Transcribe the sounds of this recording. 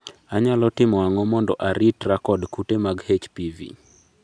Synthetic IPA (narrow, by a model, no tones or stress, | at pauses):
aɲalɔtɪmɔaŋɔmɔndɔ̰ʔaɾitrakɔdkutemaɡhet͡ʃpivḭ